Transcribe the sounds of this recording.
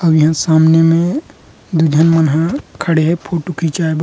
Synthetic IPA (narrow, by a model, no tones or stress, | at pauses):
əbjəɦãsamnemẽ | d̪ud͡ʒ̪ʱənmənɦãkʰəɽeɦɛpʰoʈukʰit͡ʃaeb